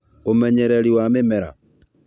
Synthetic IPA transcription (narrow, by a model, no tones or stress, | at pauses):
omɛɲɛɾɛɾiwamemɛɾa̰